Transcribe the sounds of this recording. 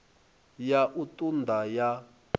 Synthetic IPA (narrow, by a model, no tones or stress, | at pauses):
jaʔutʼund̪ʱaja